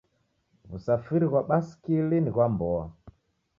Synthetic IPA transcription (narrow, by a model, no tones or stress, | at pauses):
βusafiɾiɣwaɓasi̥kiliniɣwambɔa̰